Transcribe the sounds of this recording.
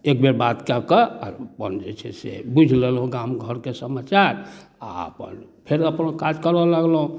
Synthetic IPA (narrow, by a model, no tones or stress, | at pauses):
ek̚beɾbat̪kakəa̰ɾpə̰nd͡ʒet͡ʃʰɛ̰sḛbud͡ʒʱlelũɡamɡʱəɾkesəmat͡ʃaɾ | a̰ə̰pə̰npʰeɾəpnkad͡ʒkəɾɔlaɡlɦũ